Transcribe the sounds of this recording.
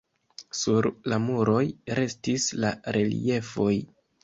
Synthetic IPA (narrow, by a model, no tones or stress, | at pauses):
suɾlamuɾo̞jɾe̞stislaɾe̞lḭe̞fo̞j